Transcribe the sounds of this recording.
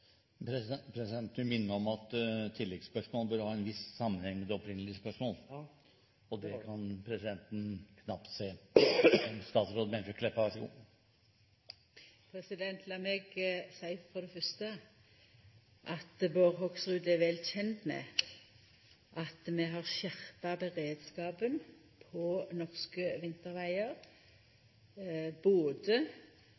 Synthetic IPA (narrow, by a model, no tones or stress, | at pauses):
pʰɾɛsɪd̪ɛnt̪nɪmɪnːəɾɔmɑt̪t̪ʰːɪlːɛɡspœʂmoːlbœɾhɑːɛnʋɪssɑmːənhɛŋmɛd̪ɛɔpʰɾɪnːəlɪspœʂmoːl | ɔd̪ɛkʰɑnpʰɾɛsɪd̪ɛnt̪n̩kʰnɑpt̪seː | ɛst̪ɑːt̪sɾoːd̪mɛnʂəkʰlɛpːəʋæʂəɡṵː | pʰɾɛsɪd̪ɛnt̪ʰlɑːmɛɡsæɪfɔd̪ɛfœst̪ə | ʔɑt̪boːʁɦɔɡsʁʉːd̪ɛʋɛlçɛnt̪mɛ̰ | ʔɑt̪mɛɦɑʁʃæʁpɑbəʁeːd̪skɑːbən | pʰɔnɔʁskəʋɪnt̪əʁʋæɪəɾ | boːd̪ə